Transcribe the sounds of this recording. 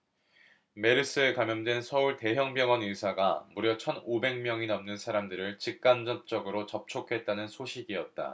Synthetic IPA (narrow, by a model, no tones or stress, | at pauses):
me̞ɾɯs͈ɯe̞kamjʌndwensʰʌuɭte̞ɦjʌŋbjʌŋʌnɯsʰaɡamuɾjʌt͡ɕʰʌnobe̞ŋmjʌŋinʌmnɯnsʰaɾamdɯɾɯɭt͡ɕik̚k͈and͡ʑʌp̚t͡ɕ͈ʌɡɯɾot͡ɕʌp̚t͡ɕʰokʰe̞t̚t͈anɯnsʰoɕʰiɡiʌt̚t͈a̰